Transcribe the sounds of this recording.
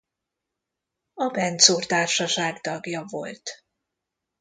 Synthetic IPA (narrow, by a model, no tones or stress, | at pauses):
ɒbɛnt̪soːrt̪aːrʃɒʃaːɡt̪ɒɡjɒvo̞̰lt̪